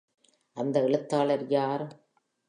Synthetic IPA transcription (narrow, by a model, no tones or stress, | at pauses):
ʔɐnd̪ɐɪɭɯt̪ːaːlɐɾjaːɾ